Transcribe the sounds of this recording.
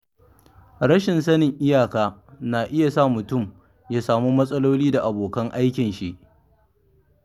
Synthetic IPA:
ɾɐ˦ʃɪ˨nsɐ˦nɪ˨ŋʔɪ˦jaː˨kaː˦na˨ʔɪ˦ja˨saː˦˨mʊ˨tʊ˦˨m | jaː˦saː˨mu˦mɐ˦sʼɐ˦loː˦liː˦da˨ʔa˨boː˨kɐ˦ŋʔa˦jkʲɪ˨nʃi˦ʔ

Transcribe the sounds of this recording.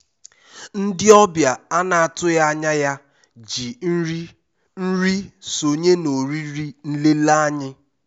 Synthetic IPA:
n̩˦dɪ˦ɔ˦bja˨a˦na˨a˨tʊ˦ja˦a˦ɲa˦ja˦ | d͡ʒi˨˦ | n̩˦ɾi˦so˨ɲe˦no˨ɾi˦ɾi˦n̩˦le˦la˦a˦ɲɪ˦

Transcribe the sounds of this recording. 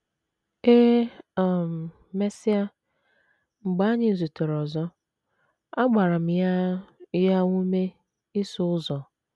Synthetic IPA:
e˦˨m˨ | me˦si˦a˦ | ŋ͡m̩˨ɡ͡ba˦ɲɪ˦˨zu˨tʊ˨ɾɔ˨zɔ˦ | a˦ɡ͡ba˨ɾa˨m̩˨ja˦ja˦ŋʷu˦me˦ | i˦sʊ˦ʊ˦zɔ˨

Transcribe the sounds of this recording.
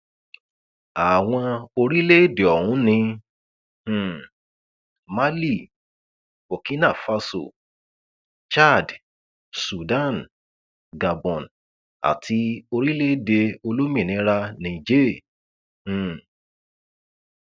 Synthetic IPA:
a˨w̃ɔ̃˧o˧ɾi˦le˦de˨ɔ˨hũ˨˦nĩ˧ | h̩˨ | ma˦li˦˨ | bo˨ki˦na˦˨fa˧so̰˦˨ | t͡ʃa˦˨d | su˨dã˦˨n | ɡa˨bɔ̃˨n | a̰˨ti˧o˧ɾi˦le˦de˧o˧lo˦mĩ˦˨nĩ˧˦ɾa˧nĩ˨d͡ʒe˦˨

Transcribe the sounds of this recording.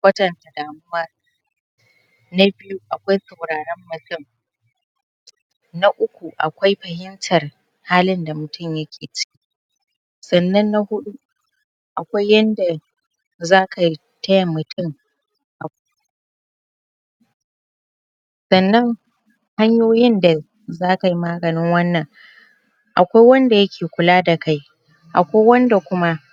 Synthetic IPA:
wʷɐ˦tɐ˨nta˨daː˨mʊ˦waː˦ | na˦bɪ˦ju˦ʔa˨kʷa˦jsɐ˨wɽaː˨ɽɛ˦mːʊ˨tʊ˦m | na˦ʔʊ˦kʷu˨ʔa̰˨kʷa˦jɸɐ˨ɦɪ˦ntʰɐ˨r | haː˦lɪ˦nda˨mʊ˨tʊ˦˨mjɐ˦kʲʰeː˨t͡ʃɪ̥˦kʲi̥˦ | sɐ˨nːɐ˦nːa˦hʊ˦ɗu˦ | ʔa̰˨kʷa˦jːɐ˦nda˨ | zaː˦ka˨ | tʰɐ˦jɐ˨mʊ˨tʊ˦˨m | ʔa˨ | sɐ˨nːɐ˦ŋ | ha˦ɲjoː˦jɪ˦nda˨ | zaː˦ka˨ji˦maː˦ɡɐ˨nɪ˦ŋwɐ˦nːɐ˨ŋ | ʔa˨kʷa˦jwɐ˦nda˨jɐ˦kʲʰeː˨kʷʊ˨laː˦da˨ka˦j | ʔa̰˨kʷa˦jwɐ˦nda˨kʷʊ˦ma˦

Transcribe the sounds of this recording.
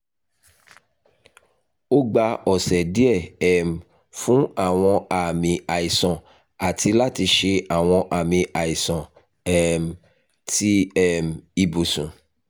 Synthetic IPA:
o˦ɡ͡ba˧ɔ˨sɛ˨di˦ɛ˦˨ɛ˨m̩˨ | fũ˦a˦˨w̃ɔ̃˧a˨mĩ˧a˨i˨sɔ̃˨ | a˨ti˧la˦ti˧ʃe˧a˨w̃ɔ̃˧ʔa˨mĩ˧ʔa˨i˨sɔ̃˨ | ɛ˦˨m˨ | ti˦ɛ˦˨m̩˨i˧bo˨sũ˨

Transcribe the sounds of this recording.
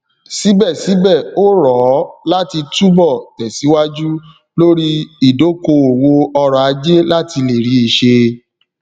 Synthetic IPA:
si˨˦bɛ˦˨si˨˦bɛ˦˨o˦ɾɔ˨˦la˦ti˧tu˦bɔ˦˨tɛ˨si˨˦wa˦d͡ʒu˦ | lo˦ɾi˦i˦˨do˨˦ko˧o˨wo˧ɔ˧ɾɔ˨a˧d͡ʒe˦la˦ti˧le˨ɾi˨˦i˨ʃe˧

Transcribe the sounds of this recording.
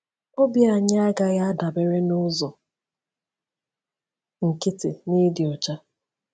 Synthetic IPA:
o˦bja˨ɲa˦a˦ɡa˦ɣa˦da˨be˦ɾe˦nʊ˦zɔ˨ | ŋ̩˨kɪ˦tɪ̰˨ni˦dɪ˨ɔ˨t͡ʃa˦

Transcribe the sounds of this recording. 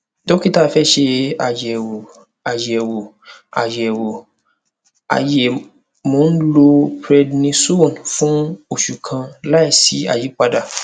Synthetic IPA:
dɔ˦ki˦ta˦˨˦fɛ˦ʃe˧a˨jɛ˨wo˨ | a˨je˨ɛ˨wo˨ | a̰˨je˨ɛ˨wo˨ | a̰˨je˨ | mõ˨˦n̩˦lo˧pɾɛ˦dnĩ˧su˦wɔ̃˦˨nfũ˦o˨ʃu˨kʰã˧la˦i˦˨si˨˦a̰˨ji˨˦k͡pa˧da˦˨

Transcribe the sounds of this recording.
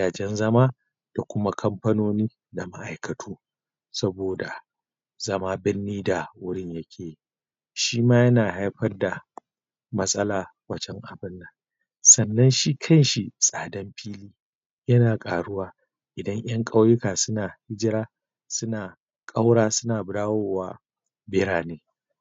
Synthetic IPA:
jaː˨d͡ʒɛ˦nzɐ˦maː˦ | d̥a˨kʷʊ˦ma˦kʰɐ˦mɸɐ˦noː˦niː˦ | da˨ma˦ʔa˨jkɐ˨tʰuː˦ | sɐ˦boː˨da˨ | zɐ˦maː˦bɪ˦nːiː˦da˨wʊ˦ɽɪ˦ɲjɐ˦kʲʰeː˨ | ʃiː˦maː˦jɐ˦naː˨ha˦jɸɐ˦rda˨ | mɐ˦sʼɐ˦laː˨ | wɐ˦t͡ʃɛ˦ŋʔa˨bɪ˦nːa˨ | sɐ˨nːɐ˦nʃiː˦kʰɐ˦˨nʃi˨sʼaː˨dɐ˦mɸiː˦liː˦ | jɐ˦naː˨kʼaː˨ɽʊ˦waː˦ | ʔɪ˨dɐ˦ŋʔj̰ɐ˦ŋkʼa˦wjʊ˦kaː˨sʊ˦naː˨hɪ˦d͡ʒɪ˦ɾaː˦ | sʊ˦naː˨ | kʼa˦wɽaː˦sʊ˦naː˨bʊ˨daː˦wo˦waː˦ | bɪ˦ɾaː˨neː˨˦

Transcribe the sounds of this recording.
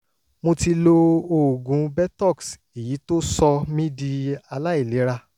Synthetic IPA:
mo˧ti˧lo˧o˨ɡũ˨˦bɛ˦tɔ˦˨ks | e˨ji˨˦to˦sɔ˧mĩ˦di˧a˧la˦i˦˨le˨˦ɾa˧

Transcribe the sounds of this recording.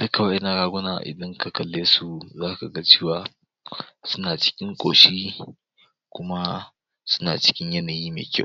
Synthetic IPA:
d̥ʊ˦ka˨wɐ˦ɐ˦na˨ɽaː˦ɡʷʊ˦na̰ː˨ʔɪ̰˨dɐ˦ŋka˨kɐ˨lːeː˦su˦zaː˦ka˨ɡa˦t͡ʃeː˦˨waː˨ | sʊ˦naː˨t͡ʃɪ̥˦kʲɪ˦ŋkʷʼo̰ː˨ʃiː˦ | kʷʊ˦ma˦ | sʊ˦na̰ː˨t͡ʃɪ̥˦kʲɪ˦ɲjɐ˦naː˨jiː˦mḛː˨kʲa˦˨

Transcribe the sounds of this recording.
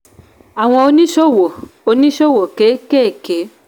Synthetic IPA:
a˨w̃ɔ̃˧o˧nĩ˦ʃo˦˨wo˨o˧nĩ˦ʃo˦˨wo˨ke˨˦keː˦˨ke˨˦

